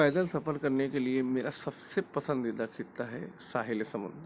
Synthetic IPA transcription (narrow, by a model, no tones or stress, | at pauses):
ɛːd̪əlsɐpəlkɐɾnekeliemeːɾasɐbsepɐsə̃nd̪id̪akʰit̪aɦɛ̰saːɦɪljsɐ̃mə̰nd̪ʱ